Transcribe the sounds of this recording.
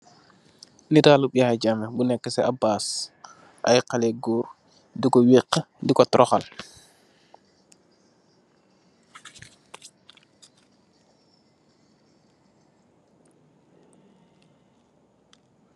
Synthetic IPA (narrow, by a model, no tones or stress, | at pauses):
nitaluɓiaaɟamɛbunɛkːɛsɛabaːs | ʔa̰jqalɛɡuːɾ | dikɔwiqː | dikɔtɾʔɔxal